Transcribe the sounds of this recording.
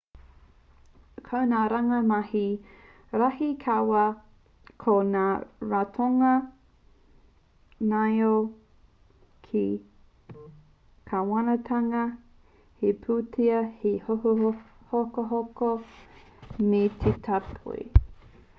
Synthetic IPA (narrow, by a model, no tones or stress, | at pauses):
kʰɐwnaːɾɐŋɐmɐhi | ɾahikʰawɐ | kʰonaːɾatʰoŋɐ | najo | kʰi | kʰawɐnɐtʰɐŋɐ | hepʰuːtʰiɐhehoho | hokoɦoko | metʰetʰapʰo̰i